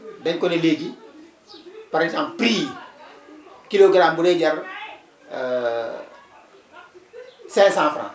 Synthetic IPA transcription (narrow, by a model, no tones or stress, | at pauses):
deɲkoneleːɡi | paɾtãmpɾiː | kiloɡaɾambuɾeɟɐɾ | sẽːsãːfɾã̰